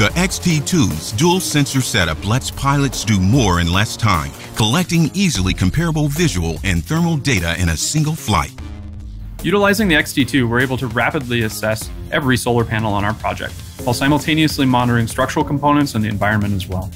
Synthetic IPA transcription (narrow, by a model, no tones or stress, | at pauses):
ðiʔɛkstʰitʰuz̥dulˠsɛ̃nsə˞sɛɾʌplɛtspʰaɪlˠɨtsd̥ɨmɔɹɨ̰̃nlɛstʰãɪ̃m | kʰəlɛk̚tɪ̃ŋizl̩ˠikʰɨ̃m̩pʰɛɹəbl̩ˠvɪʒəl̩ˠɨ̰̃nθɜ̃˞ml̩ˠdeɪɾɨ̰ʔɪ̃nɨsɪ̃ŋɡl̩ˠfla̰ɪt̚ | jʉɾəlaɪzɪ̃ŋðiɛkstʰitʰʉwə˞eɪbl̩ˠtʰɨɹæpɨdˡliɨsɛs | ʔɛvɹisoʊlˠə˞pʰænl̩ˠə̃ñaʊə˞pʰɹ̥ɑ̰d͡ʒɛ̰k̚t̚ | waɪlˠsãɪml̩ˠtʰẽɪ̃niɨslimɑnə˞ɪ̃ŋstɹ̥ʌk̚t͡ʃəɹl̩ˠkʰm̩pʰõʊ̃ñɨ̃ntsɨ̃n̩ðiɨ̰̃ɱvaɪɹɨ̃nmɨ̃ñtɨzwɛ̰lˠ